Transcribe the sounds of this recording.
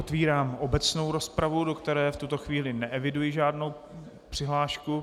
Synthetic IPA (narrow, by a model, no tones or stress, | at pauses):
ot̪viːɾaːmʔobɛt͡sno̞wɾo̞spɾavudo̞kt̪ɛɾɛːft̪ut̪o̞xviːlɪnɛʔɛvɪdujɪʒaːdno̞w | pr̥ɪɦlaːʃku